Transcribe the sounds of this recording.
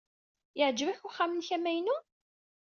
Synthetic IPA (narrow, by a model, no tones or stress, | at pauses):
jəʕd͡ʒəvæçʊχːaæmənçæmæjnu